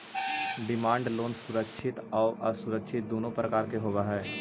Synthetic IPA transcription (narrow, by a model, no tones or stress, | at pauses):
ɖɪmãːɳɖloːnsʊɾəkʃʰɪt̪ɔːɾʔəsʊɾəkʃʰɪt̪̚d̪oːnõpɾəkaːɾkeɦoːbaɦɛː